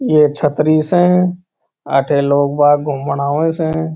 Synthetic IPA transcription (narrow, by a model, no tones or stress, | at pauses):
jet͡ʃʰət̪ɾisɦɛ̃ | ə̰ʈʰeloːɡbaːɡʱʊmːəɽaːʋẽseɛ̃